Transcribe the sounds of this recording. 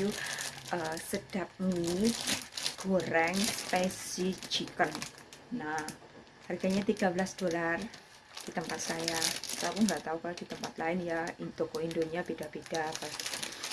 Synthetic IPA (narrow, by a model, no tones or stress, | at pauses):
juʔəsəd̥ap̚ni | ɡ̥oɾɛŋspɛsid͡ʒikənː | a | harɡaɲat̪iɡ̥a̤bəlasd̥olar | d̥it̪əmpat̪̚sajatakʊŋŋɡaʔt̪aukalod̥it̪əmpat̪laɪnjait̪okoindoɲab̥ed̥ab̥ed̥aba